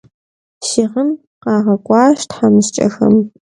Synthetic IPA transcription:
ʃɪʁən | qɑːʁɐkʷʼɑːʃtħamɨɕt͡ʃʼɐ̰xɐ̰m

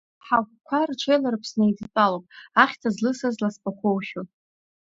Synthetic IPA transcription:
ħakʷkʷʰarʈ͡ʂʷʰejlaɾɨpʰsnajdt͡sʼalopʼaχʲtʰazlɨsazlaspʼakʷʰowʃo

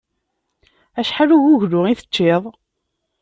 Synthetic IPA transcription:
æʃħaluʝuʝlʊiθət͡ʃːɪðˤ

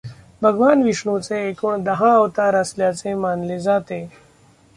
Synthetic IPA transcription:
bʱɐɡʋaːnʋiʂɳõt͡seːkəɳd̪ɐɦãəʋt̪aɾəsljat͡semaːnlezaːt̪e

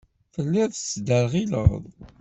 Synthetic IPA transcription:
fəlːæðt͡sːd̪əɾʁilə̰ðˤ

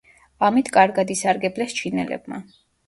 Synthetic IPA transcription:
amit̪ʰkʼaɾɡad̪isaɾɡɛblɛst͡ʃʰinɛ̰lɛ̰bma̰

